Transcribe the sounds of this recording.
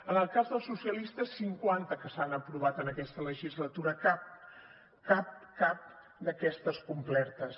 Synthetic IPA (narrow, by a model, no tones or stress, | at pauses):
ənəlˠkazðəlˠsusiəlist̪əsːiŋkwant̪əkəsanəpɾuβ̞at̪ənəkɛst̪ələʒizlət̪uɾəkap̚ | kap̚kap̚ | d̪əkɛst̪əskumplɛɾt̪əs